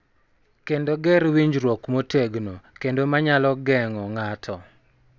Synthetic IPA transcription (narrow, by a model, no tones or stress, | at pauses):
kendoɡɛɾwiɲd͡ʒɾwɔkmoteɡnokendomaɲalɔɡɛŋɔŋatʰɔ